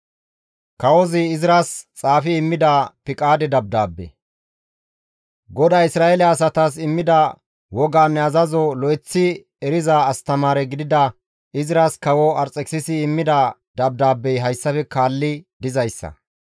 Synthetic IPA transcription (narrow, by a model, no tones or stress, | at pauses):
kɐwɔzɪːzɪɾast͡sʼaːfɪːmːɪd̪apɪkʼaːd̪ɛd̪ɐb̚d̪aːbːɛ̰ | ɡɔd̪aːɪsɾaːjelɛɐs̬ɐt̪asɪmːɪd̪ɐ | wɔɡaːnːɛɐzɐzɔlɔjt͡sːɪ | ɛɾɪzaːst̪ɐmaːɾɛɡɪd̪ɪd̪ɐ | ɪzɪɾaːskɐwɔɐɾt͡sʼːɛksɪsɪːmːɪd̪a | d̪ɐb̚d̪aːbːɛjɦɐjsːɐfɛkaːlːɪd̪ɪzɐjsːɐ̰